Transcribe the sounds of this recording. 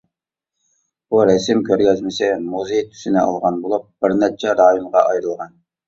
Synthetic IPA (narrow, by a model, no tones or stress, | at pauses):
b̥uɾɛsɪmkʲʰøɾɡʲɛzmɪsɪmuzejt̪ʰy̥sɪnɪɑ̰lˠʁɑnbolˠup̚b̥ɪɾnɛt͡ʃʰɛɾɑːjimʁɑʔɑjɾɨlˠʁɑn